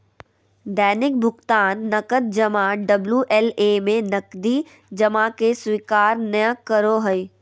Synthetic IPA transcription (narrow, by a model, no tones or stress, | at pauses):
d̪ɛːnɪk̚bʱʊɡt̪aːnːɐkət̪̚d͡ʒɐmaɖɐbljuʔɛlemẽnɐkd̪i | d͡ʒɐmakeswikaːɾnəjə̃kːəɾoɦəi